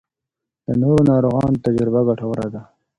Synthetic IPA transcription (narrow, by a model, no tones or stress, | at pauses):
d̪̥ənoːɾonɑːɾoɣɑːnt̪ad͡ʒɾɪbaɡaʈʰawəɾad̪a